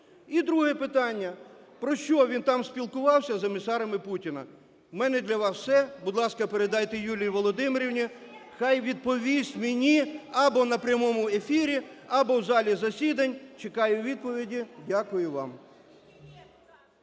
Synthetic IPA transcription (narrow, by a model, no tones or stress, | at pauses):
id̪ɾuɦɛpɪt̪ɑnʲːɐ | pɾɔʃt͡ʃɔʋʲint̪ɑmsʲpʲilˠkʊʋɑwsʲɐzemʲisɑɾɐmɪputʲinɐ | mɛnɛd̪lʲɐʋɑswsɛbʊd̪lˠɑskɐpeɾed̪ɑjt̪ejulʲijʋɔlˠɔd̪ɪmeɾʲiwnʲi | xɑjʋʲid̪̚pɔʋʲisʲmenʲiɐbɔnɐpɾʲjɐmɔmʊe̞fʲiɾʲiɐbɔwzɑlʲizɐsʲid̪ɐnʲt͡ʃekɑjʊʋʲid̪̚pɔʋʲidʲidʲakʊjʊʋɑm